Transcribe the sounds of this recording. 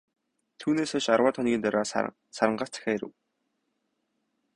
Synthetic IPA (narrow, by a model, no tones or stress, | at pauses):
t̪ʰuːneːsʊʃarwaːt̪ʰɔnɡʲiːnt̪œɾʲaːs | saɾə̆ɴɢḁːt͡sæ̥xʲeːeɾɘ̰̆w